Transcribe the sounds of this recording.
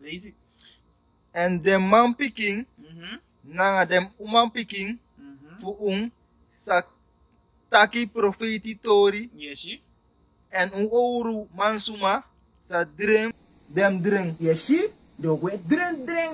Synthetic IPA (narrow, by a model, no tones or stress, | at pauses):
ɛndɛmːampikĩŋ | naŋadɛmũmãŋpikĩŋ | fuʔuŋ | sa | takipɾofetitoɾi | ɛnũowɾumãnsuma | sadɾeŋ | dɛmdɾeŋjɛʃi | dokwedɾeŋdɾeŋ